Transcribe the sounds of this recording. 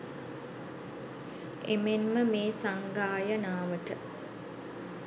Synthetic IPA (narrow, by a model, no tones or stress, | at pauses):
ḛmenməmeːsaŋɡaːjənaːʋəʈə